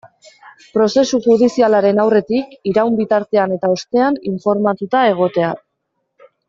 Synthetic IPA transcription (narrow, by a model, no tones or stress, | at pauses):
pɾo̞se̞suxuðisialaɾe̞nawre̞t̪ikiɾawmbit̪aɾt̪e̞ane̞t̪ao̞st̪e̞aniɱfo̞ɾmat̪ut̪ae̞ɣ̞o̞t̪e̞a